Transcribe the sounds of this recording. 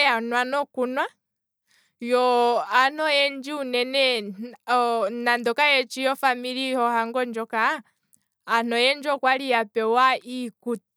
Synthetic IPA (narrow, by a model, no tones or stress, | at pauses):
anwanɔkunwa | jɔanɔjɛnd͡ʒiunɛnɛ | nandɔkajɛt͡ʃijɔfamiɾihɔhaŋɡɔnd͡ʒɔka | anɔjɛnd͡ʒɔkwalijapɛwaikut